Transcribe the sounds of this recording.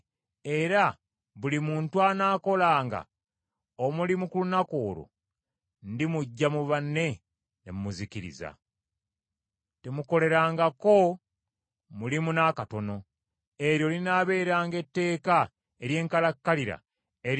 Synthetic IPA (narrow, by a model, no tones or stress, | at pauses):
e̞ɾa | βulimuːntuanaːko̞laːŋɡa̰ | omulimukulunako̞ːɾo̰ | ndimuɟːamuβanːe̞ | nemumuziciɾḭza̰ | temuko̞le̞ɾaːŋɡako̞ | mulimunakato̞no̞ | e̞ɾjo̞linaβe̞ːɾaːŋɡe̞tːe̞ːka | e̞ɾje̞ːŋkalakːaliɾa̰ | e